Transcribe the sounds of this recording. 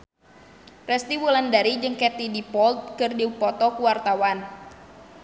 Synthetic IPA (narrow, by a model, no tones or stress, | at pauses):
rɛst̪iwulandaɾid͡ʒɨŋkɛt̪idipɔlt̪̚kɨrdiupɔt̪ɔkuwart̪awan